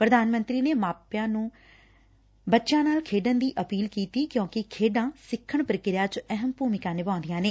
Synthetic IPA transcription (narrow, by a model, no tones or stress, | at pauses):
pɾəd̪aːnmə̃nt̪ɾiːneːmaːpjãːnũː | bətːʃãːnaːlkʰeːɖənd̪iːʔəpiːlkiːt̪iːkjõːkɪkʰeːɖãːsɪkʰːəɳpɾəkɪɾɪjaːt͡ʃɛɦəmpuːmɪkãːnɪbãːnd̪ijãːneː